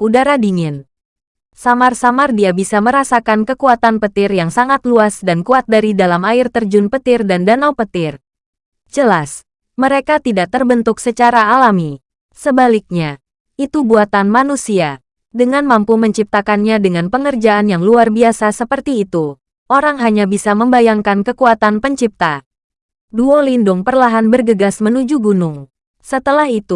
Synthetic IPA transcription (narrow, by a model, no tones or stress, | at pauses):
udaɾadiŋɪn | samarsamardiabisaməɾasakankəkuat̪anpət̪ɪrjaŋsaŋat̪luasdankuat̪̚daɾidalamaɪrt̪ərd͡ʒʊnpət̪ɪrdandanawpət̪ɪr | d͡ʒəlas | məɾekat̪idak̚t̪ərbənt̪ʊksət͡ʃaɾaːlami | səbalik̚ɲa | ʔit̪ubuat̪anmanusia | dəŋanmampuməɲt͡ʃip̚t̪akanɲadəŋanpəŋərd͡ʒaanjaŋluarbiasasəpərt̪iːt̪u | ʔoɾaŋɦaɲabisaməmbajaŋkankəkuat̪anpəɲt͡ʃip̚t̪a | duolindʊŋpərlaɦanbərɡəɡasmənud͡ʒuɡunʊŋ | sət̪əlahit̪u